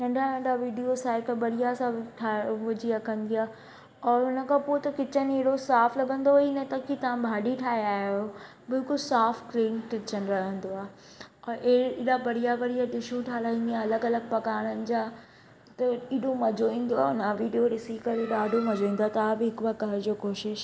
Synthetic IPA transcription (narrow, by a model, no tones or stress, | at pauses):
nɐ̃ɳɖʱanɐ̃ɳɖʱaʋiːɖiosaːɪkbɐɽijasãʈʰaʋʊd͡ʑiakɐ̃nd̪ijaː | ɔːɾʊnə̆kʰãpoːt̪ɐkɪt͡ɕəneɦɽosaːflɐɡʱə̃nd̪oinɐt̪ɐkʰit̪ɐʋ̤ãbʱaːɖiʈʰaːɦeaːɦijo | bɪlkʊlsaːfkɾẽːnkɪt͡ɕənɪ̆ɾɐɦə̃nd̪oaːɦ | ɔːɾʔeɪːɗabɐɽ̤ijaʋɐɽijaɗɪʃũʈʰaːlaːĩːn̆d̪ijãɐləɡɐləɡ̚pɐkaːɽ̃ənɪ̆d͡ʑaː | t̪ɐiːɗomɐd͡ʑoĩːn̆d̪oaːʊnãʋiːɖijoɗɪsikɐɾeɗaːɖʱomɐd͡ʑoːĩːnd̪oat̪ɐaːbɪɦɪkʊʋakɐɦɾd͡ʑoːkoːʃɪʃ